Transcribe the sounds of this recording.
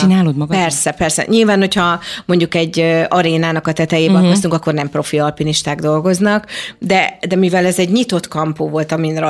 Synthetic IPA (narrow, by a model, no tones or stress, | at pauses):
t͡ʃinaːlod̪mɒɡpɛrsɛpɛrsɛ̰ɲʔilvaːnho̞chɒmo̞ɲɟukɛɟːøɒɾeːnaːnɒkɒt̪ɛt̪ɛjeːbɛŋkost̪uŋkɒkːo̞rnɛmpro̞fiɒlpiniʃt̪aːɡd̪o̞lɡo̞znɒkd̪ɛd̪ɛmivɛlɛzɛɟɲit̪o̞t̪kɒmpoːvo̞lt̪ɒminr